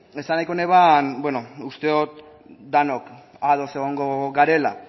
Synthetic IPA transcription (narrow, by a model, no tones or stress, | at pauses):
e̞sanajko̞ne̞β̞anbweno̞ust̪eot̪̚ | d̪ano̞k | aðo̞se̞ɣ̞o̞ŋɡo̞ɡaɾe̞la̰